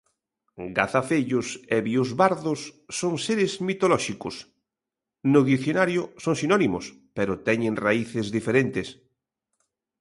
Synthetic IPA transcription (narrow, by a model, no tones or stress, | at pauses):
ɡaθafeʎʊseβiʊzβaɾðʊsːoŋseɾɪzmit̪olɔʃikʊs | nʊðiθjonaɾjʊsoŋsinɔnimʊ̰s | peɾʊt̪ɛɲẽŋraiθɪzðifeɾent̪es